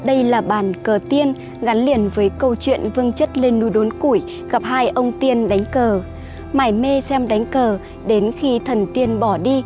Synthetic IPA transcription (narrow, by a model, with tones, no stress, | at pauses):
ɗə˧jlaː˨˩ɓaː˧˩nkəː˨˩t̪i˧ən | ɣa˨˦nli˧˩ənvəː˨˦jkə˧wt͡ɕwḭ˧˨ənvɨ˧əŋt͡ɕə˦˥t̚le˧nːu˨˦jɗo˨˦nku˧˩j | ɣə˨˩p̚haː˧jʔə˧wŋ͡mt̪i˧ənɗa˨˦jŋ̟kəː˨˩ | maː˧˩jme˧sɛ˧mɗa˨˦jŋ̟kəː˨˩ | ɗe˨˦nxi˧t̪ʰə˨˩nt̪i˧ənɓɔ˧˩ɗi˧